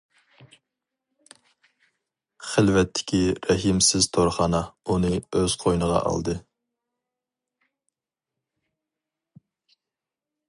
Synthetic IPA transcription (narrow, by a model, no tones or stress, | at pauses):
χɪlvɛt̪ʰːɪ̥kʲʰiɾɛɦimsɪz̥t̪ʰoɾχɑːnɑunɨøz̥qʰojnəʁɑ̰ʔɑ̰lˠd̪ɨ